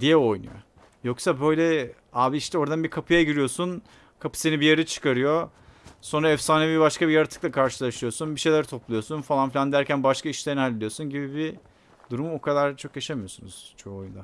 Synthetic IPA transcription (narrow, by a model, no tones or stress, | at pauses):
d̪ijɛo̞jnṵjo̰ | jo̞ksabø̞jlʲɛ | aːbiiʃt̪ʰɛo̞ɾd̪anbikʰapʰɯjaɟiɾijo̞sun | kʰapʰɯ̥senibijaɾit͡ʃʰɯ̥kaɾɯjo̞ | so̞nɾaɛfsaːnebibaʃkabijaɾat̪ʰɯ̥klˠakʰaɾʃɯlˠaʃɯjo̞sunbiʃejlʲæɾt̪ʰo̞plˠujo̞sunfalˠanfilʲand̪æɾcænbaʃkʰaiʃlʲenalʲːed̪ijo̞sunɟibibi | d̪uɾumokʰad̪aɾt͡ʃʰo̞kjaʃamijo̞sunuz̥t͡ʃʰoːojund̪a